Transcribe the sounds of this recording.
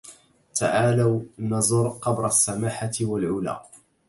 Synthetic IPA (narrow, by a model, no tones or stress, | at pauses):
t̪aʕaːlawnɑzˤʊɾˤqɑbɾˤasːamaːħawalʕʊla̰ː